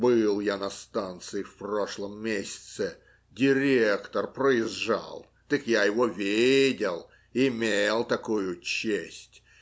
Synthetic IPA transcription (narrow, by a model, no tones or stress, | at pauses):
bɨlˠjanɐst̪ant̪sɨɪfpro̞ʂlˠəmːʲesʲɪ̥t̪sɪ | dʲɪɾʲekt̪ərpɾəɪzʐa̰lˠ | t̪ɨkjajɪvovʲedʲɪlˠː | mʲelˠt̪ɐkujʊt͡ɕːesʲtʲ